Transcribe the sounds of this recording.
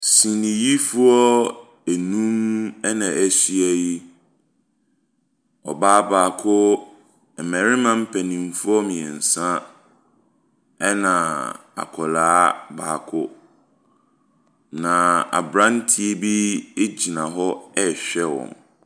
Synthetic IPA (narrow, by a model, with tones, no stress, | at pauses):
sĩ˨nĩ˨ji˦fu˦ɔ˦ | e˨nũ˦mɛ˦nã˨æ˨si˦æ˦˨ji˦ | ɔ̰˨baː˦baː˨kʰʊ˦ | ɛ˨mɛ˨ɾɪ˦mã˦m̩˦pʰæ˨nĩ˨mfu˦ɔ˦mĩ˨ɛ˨n̩˨sã˦ | ɛ˦nã˨ | a̰˨kʰɔ˨laː˦ba̰ː˨kʰʊ˦ | nã˨a̰˨bɾã˦n˦tʰi˦e˦bi˦e˦d͡ʑi˨nã˨ɦɔ˦ɛ˦ɕᶣɛ˦wɔ̰̃˨n